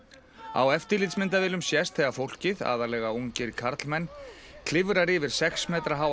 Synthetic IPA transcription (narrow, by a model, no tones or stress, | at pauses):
a̰wɛft̪ɪlɪt̪smɪnt̪avɪːlʏmsjɛst̪θɛɣafowl̥cɪða̰ːðalɛɣaoɲcɪɾkʰaɾt̪lmɛnː | kʰlɪvʏɾaɾɪvɪɾ̥sɛxsmɛːt̪ɾaɦaw